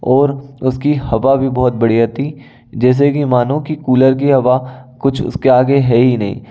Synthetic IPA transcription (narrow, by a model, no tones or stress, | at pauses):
ɔːɾʊskihɐʋabʱibɔɦʊt̪̚bɐɽiɦɛt̪i | d͡ʒɛːs̬ekimaːnõkikuːləɾk̬iɦɐʋakʊt͡ʃʰʊ̰skeaːɡeɦɛɦinɐɦḭ̃ː